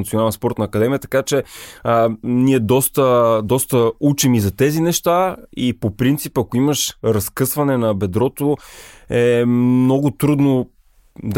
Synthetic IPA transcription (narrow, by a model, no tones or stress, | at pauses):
t̪sionalˠɛnspɔɾt̪nɐːkɐd̪ɛmiət̪ɐ̥kat͡ʃɛ | niɛd̪ɔst̪əd̪ɔst̪əut͡ʃimizɐt̪ɛzinɛʃt̪aipopɾint̪sipɐkoiməʃɾɐskɤsvɐnɛnɐbɛd̪ɾɔt̪oɛmnɔɡʊt̪ɾud̪no | d̪